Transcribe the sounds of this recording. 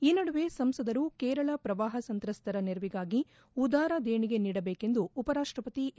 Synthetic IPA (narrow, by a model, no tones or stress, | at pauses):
iːnɐɽuʋeːsɐmsɐd̪ɐɾukeːɾɐɭɐpɾɐʋaːɦɐsɐnt̪ɾɐst̪ʰɐɾɐneɾɐʋiɡaːɡi | ud̪aːɾɐd̪eːɳiɡe̞niːɽɐbeːke̞nd̪uːpɐɾaːʂʈɾɐpɐt̪i